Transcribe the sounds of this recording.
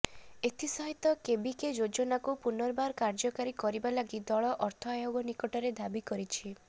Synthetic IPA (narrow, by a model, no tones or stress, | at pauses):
et̪ʰisɔɦit̪ɔkebiked͡ʒod͡ʒɔnakupunɔɾbaɾkaɾd͡ʒɔkaɾikɔɾibalaɡid̪ɔɭɔʔɔɾt̪ʰɔajoɡɔnikɔʈɔɾed̪abikɔɾit͡ʃʰi